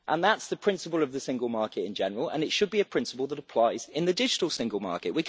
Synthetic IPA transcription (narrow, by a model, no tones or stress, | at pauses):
ʔə̃nðatsðəpʰɹ̥ɪ̃nsɪpəlˠəvðəsɪ̃ŋɡəlˠmɑˑkɪtɪ̰̃nd͡ʒɛnəɹəlˠə̰̃nɪtʃəd̚biəpʰɹ̥ɪ̃nsəpəlˠðəɾəpʰl̥aɪz̥ɪ̃nðədɪd͡ʒɪtəlˠsɪ̃ŋɡəlˠmɑ̰ˑkɪʔwikʰ